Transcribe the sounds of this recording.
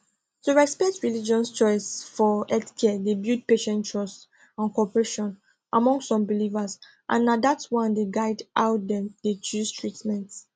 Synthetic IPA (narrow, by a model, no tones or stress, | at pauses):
tuɹɛspɛk̚tʰɹilid͡ʒɔ̃nst͡ʃɔɪsfɔɛdkʰɛdebjud̚peʃɛ̃ntɹɔs | ãnkɔpɹeʃɔ̃n | ʔamɔ̃ŋssɔ̃mbilivəs | ʔã̰nːadatwãndeɡaɪdʔawt̚dɛ̃md̥et͡ʃustʰɹitmɛ̃nt